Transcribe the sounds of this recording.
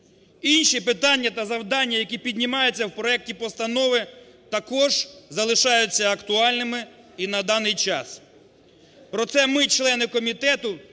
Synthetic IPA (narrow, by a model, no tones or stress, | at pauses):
inʲʃipɪt̪ɑnʲːɐt̪ɐzɐwd̪ɑnʲːɐjɐkʲipʲid̪ʲnʲɪmɑjʊt͡sʲːɐwpɾɔɛk̚tʲipɔst̪ɐnɔʋɪ | t̪ɐkɔʒzɐlˠɪʃɑjʊt͡sʲːɐɐkt̪ʊɑlʲnɪmɪ | inɐd̪ɑnɪjt͡ʃɑ̰s | pɾɔt̪sɛmɪt͡ʃlˠɛnɪkɔmʲit̪ɛt̪ʊ